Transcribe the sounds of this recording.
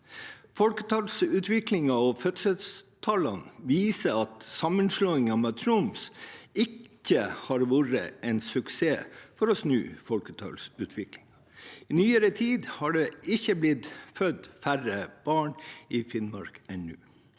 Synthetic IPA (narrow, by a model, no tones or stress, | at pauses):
fɔlkə̥t̪ʰɑlsʉːt̪ʰʋɪklɪŋɑɔfœt̪səst̪ʰɑlɑnʋiːsəɑt̪sɑmːənʂloːɪŋɑmɛt̪ʰɾumsɪkːəhɑɾʋuːɾə̰ɛɪnsʉkseːfɔɾɔsnʉ̰ːfɔlkət̪ʰɑ̰lsʉːt̪ʰʋɪklɪŋ | ɪnyːəɾət̪ʰiːd̪hɑɖɛɪçəblɪt̪fœd̪færəb̥ɑːɳɪfɪnmɑɾkɛnːʉ̰ː